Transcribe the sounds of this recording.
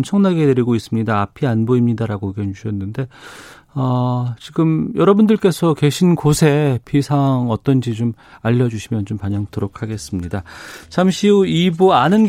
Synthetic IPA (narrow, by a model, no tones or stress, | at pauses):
mt͡ɕʰʌŋnaɡe̞teɾiɡois͈ɯmɲidaːpʰianboimɲidaɾaɡoiɡʌuɕʰʌnːɯnde̞ | ʌt͡ɕiɡɯmjʌɾʌbundɯɭk͈e̞sʰʌke̞ɕʰinkosʰe̞pʰisʰaŋʌt͈ʌnd͡ʑit͡ɕom | aʎːʌd͡ʑuɕʰimjʌnt͡ɕompaɲʌŋtɯɾokʰaɡe̞s͈ɯmɲidat͡ɕʰamɕʰiuibuanɯnɡ